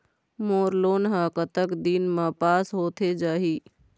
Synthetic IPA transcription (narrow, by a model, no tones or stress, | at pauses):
moːɾloːnɦãkət̪əkd̪iːnmãpaːsɦoːt̪ʰed͡ʒaːɦiː